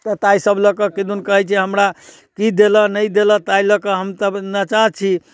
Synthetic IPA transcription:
t̪ət̪aisəbləkəkid̪unkəɦɛt͡ʃʰɛɦəmɾa | kid̪elənəjd̪elət̪ailəkəɦəmt̪əbnət͡ʃaɦt͡ʃʰi

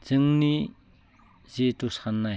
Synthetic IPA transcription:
t͡səŋni | ʑeʈ͡ʂosʰaana

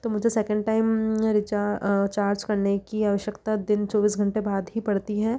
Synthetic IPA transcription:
t̪oːmʊd͡ʒʱesɛːkə̃ɳɖʈaːɪmɾɪt͡ʃat͡ʃaːɾd͡ʒkɐɾnekiaːʋəʃjəkt̪ad̪ɪnt͡ʃɔːbiːsɡʱɐ̃ɳʈebaːd̪ɦipɐɽt̪iɦɛː

